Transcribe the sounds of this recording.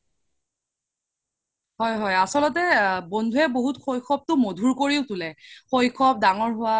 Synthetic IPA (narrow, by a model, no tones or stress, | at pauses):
ɦɔjɦɔjasɔlɔtɛbondʱuɛboɦutxojkʰɔp̚tʊmodʱuɹkoɹiʊtʊlɛxojkʰɔp̚daŋɔɹɦʊwa